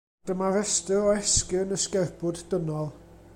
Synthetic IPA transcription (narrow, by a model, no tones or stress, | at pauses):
d̥əmavɛstɨɾɔɛskɪwnəskɛrb̥ʊddənɔlˠ